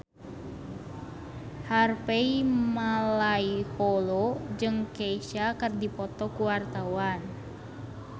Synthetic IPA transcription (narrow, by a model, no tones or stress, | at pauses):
harpeimalaiholod͡ʒɨŋkeiʃakɨrdipɔt̪ɔkuwart̪awan